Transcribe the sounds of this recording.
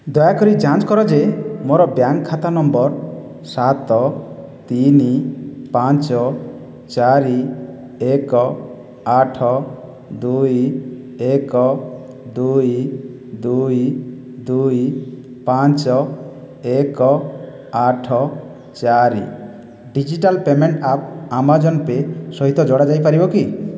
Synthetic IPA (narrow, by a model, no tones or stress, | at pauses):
d̪ɔjakɔɾid͡ʒãt͡ʃkɔɾɔd͡ʒemoɾɔbjaŋɡkʰːat̪anɔmbɔɾ | sat̪ɔ | t̪inipant͡ʃɔ | t͡ʃaɾi | ekɔ | aʈʰɔ | d̪uj | ekɔ | d̪uj | d̪uj | d̪uj | paɲt͡ʃɔ | ekɔ | aʈʰɔ | t͡ʃaɾḭ | ɖid͡ʒiʈalpemeɳʈap̚amad͡ʒɔnpesɔɦit̪ɔd͡ʒɔɽad͡ʒajpaɾibɔki